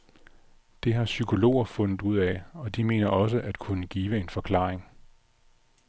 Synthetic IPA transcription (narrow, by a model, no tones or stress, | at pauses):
d̥e̝ɦɑ̈sykʰo̝lo̝̰ːɐfɔ̽nð̩ˠuð̰ˠɛɒ̽d̥ime̝ːnɐʔɒ̽s̬əʔæd̥kʰunəɡ̥iːʋəe̝nfɒ̽kʰlɑ̰̈ːeŋ